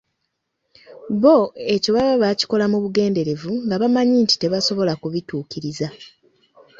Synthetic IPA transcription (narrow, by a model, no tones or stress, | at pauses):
βo̞e̞co̞βaβaβaci̥ko̞lamuβuɡe̞ːnde̞ɾe̞vuŋɡaβamaɲiːnti̥te̞βaso̞βo̞lakuβituːkiɾiza